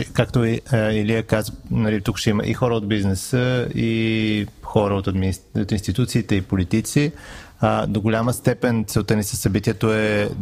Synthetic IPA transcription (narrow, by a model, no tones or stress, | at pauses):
kakt̪oiliəkazənɐlit̪ukʃt̪ɛimə̰ʔḭxɔɾəod̪̚biznɛsəi | xɔɾəot̪ɐd̪miot̪inst̪it̪ut̪siːt̪ɛipolit̪it̪si | d̪oɡʊlʲaməst̪ɛpɛnt̪sɛlˠt̪ənisəsːɐbit̪iɛt̪oɛ